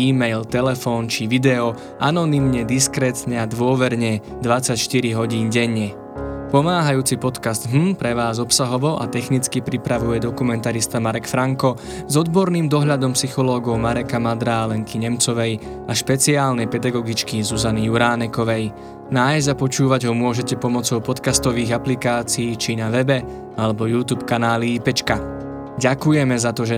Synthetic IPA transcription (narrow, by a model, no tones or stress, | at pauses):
iːmɛjlt̪ɛlɛfɔːnt͡ʃiʋid̪ɛɔ | anɔnimɲɛd̪iskɾɛːt̪ɲɛad̪ʋʊɔʋɛɾɲɛ | d̪ʋat͡sacʃt̪iɾiɦɔɟiːnɟɛɲːɛ | pɔmaːɦajuːt͡sipɔt̪kazd̪ɦ̩pɾɛʋaːzɔpsaɦɔʋɔʔa̰t̪ɛxnit͡skipɾipɾaʋujɛd̪ɔkumɛnt̪aɾist̪amaɾɛkfɾaŋkɔ | zɔd̪bɔɾniːmd̪ɔɦʎad̪ɔmpsixɔlɔːɡɔʊmaɾɛkamad̪ɾaːlɛŋkiɲɛmt͡sɔʋɛj | aʃpɛt͡siaːlnɛjpɛd̪aɡɔɡit͡ʃkizuzanijuɾaːnɛkɔʋɛj | naːjzɟapɔt͡ʃuːʋaɟɦɔmʊɔʒɛcɛpɔmɔt͡sɔʊpɔt̪kast̪ɔʋiːɣaplikaːt͡siːt͡ʃinaʋɛbɛ | alɛbɔjuːt̪uːpkanaːliipɛt͡ʃka | ɟakujɛmɛzat̪ɔʒɛ